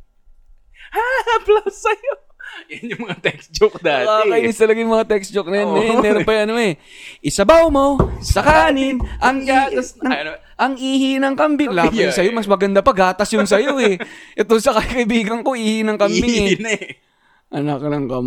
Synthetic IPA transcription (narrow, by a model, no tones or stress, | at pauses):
haplasːɐjo | jɐnʊŋmɐŋat̪ɛksd͡ʒokd̪aːakɐʔɪnɪst̪ɐlɐɡɐjŋmɐŋat̪ɛkst͡ʃok̚nɐjanmɛːɾonpɐjʔɐnoɛʔɪsɐbawmosɐkaːnɪnʔɐŋat̪ɐsɐ | ʔɐŋʔiːhɪnɐŋkɐmbɪŋlaːbɪjʊŋsɐjo̞mɐsmɐɡɐnd̪apɐɡaːt̪ɐsjʊŋs̬ɐjo̞ʔɛʔɛt̪oŋsɐkɐkɐʔɪbiːɡɐŋko̞ʔiːhɪnɐŋkɐmbɪŋɛn | ʔɐnɐknɐŋkɐm